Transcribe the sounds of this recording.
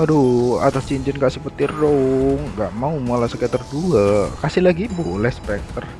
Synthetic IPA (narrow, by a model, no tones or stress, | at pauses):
adoa̰t̪ast͡ʃiɲt͡ʃɪnkaʔsipət̪irdɔŋɡaʔmaumalasəkət̪ərduakasɪlaɡibulɛhspɛk̚t̪ər